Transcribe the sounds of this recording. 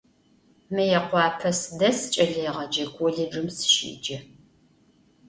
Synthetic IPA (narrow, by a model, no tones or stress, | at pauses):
mɨjɛqʷɑːpʰɐsɨdɐst͡ʃʼɐɮɐjʁɐd͡ʒɐɡʷʰʼɔɮɨd͡ʒɨmsʃḭːd͡ʒɐ